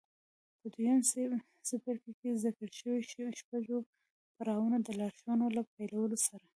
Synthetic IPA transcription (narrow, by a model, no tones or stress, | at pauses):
pəd̪ujan | sɪpaɾkakezakəɽʃəwiʃpaɡo | paɾɑwunad̪əlɑɾʃjɑnolap̚ajlawəlosaɾa